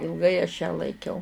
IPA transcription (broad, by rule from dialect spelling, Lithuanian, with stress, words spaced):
ɪlˠˈɡɐɪ ɐʃ jæː lˠɐɪˈkʲɛʊ